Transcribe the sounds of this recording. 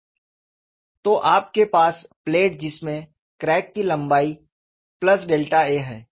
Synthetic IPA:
t̪oːʔaːp̚kepaːspleːʈ̚d͡ʒɪsmẽ | kɾɛːk̚ːilɐ̃mbaːi | plɐs̬ɖeːlʈaeːɦɛː

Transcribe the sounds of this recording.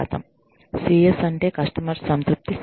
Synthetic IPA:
t̪ʰɐ̰m | siːesɐɳʈeːkɐʂʈɐmɐɾsɐnt̪ɾup̚t̪is

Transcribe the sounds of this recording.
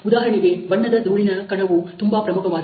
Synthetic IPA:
ʊd̪aːɦɾɐɳiʋebɐɳːɐðɐd̪ɾuːɭɪnɐkɐɳɐʋut̪ʊmbaːpɾɐmʊkʰɐʋaːd̪

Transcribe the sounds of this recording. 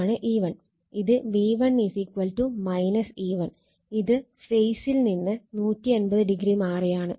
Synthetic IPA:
ɳɨʔiːʋɐɳ | iðɨʋiːʋɐɳːisikʋɐltumɐjnɐsiːʋɐɳ | iðɨ | fejsilninːɨnuːtːienbɐðɨɖiɡɾimaːrijaːɳɨ

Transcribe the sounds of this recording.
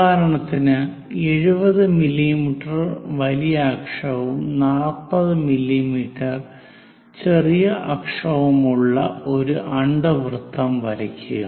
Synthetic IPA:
aːɾɐɳɐt̪ːinɨ | e̞ɻubɐðɨmilːimiʈːɐrʋɐlijɐːkʂɐʋumnaːlpɐðɨmilːimiːʈːɐr | t͡ɕe̞rijɐʔɐkʂɐʋumuɭːɐo̞ɾuʔɐɳɖɨʋrɨt̪ːɐmʋɐɾɐkʲːuɣɐ

